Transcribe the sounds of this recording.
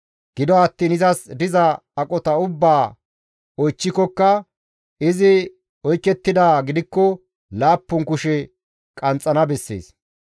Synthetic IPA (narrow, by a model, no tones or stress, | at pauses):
ɡ̥ɪd̪ɔɐt̪ːiːnɪzɐsd̪ɪzɐ | ɐkʼɔt̪ɐʊbːaː | ɔjt͡ʃːɪkɔkːɐ | ɪzɪ | ɔjkːɛt̪ːɪd̪aːɡɪd̪ɪkːɔ | laːpːʊŋkʊʃɛ | kʼɐnt͡sʼːɐnɐbɛsːḛːs